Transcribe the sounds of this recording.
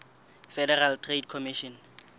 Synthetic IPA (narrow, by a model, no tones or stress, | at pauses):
fɛdɛraltʰred̚kʰɔmiʃɔn